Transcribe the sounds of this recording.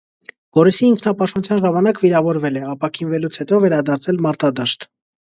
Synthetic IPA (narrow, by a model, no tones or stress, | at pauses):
ɡ̥ɔɾisiːŋkʰnɑpɑʃt̪ɑnut͡sʰjɑnʒɑmɑnɑkviɾɑvɔɾvɛlɛɑpɑkʰinvɛlut͡sʰhɛt̪ɔvɛɾɑd̪ɑɾt͡sʰɛlmɑɾt̪ɑd̪ɑʃt̪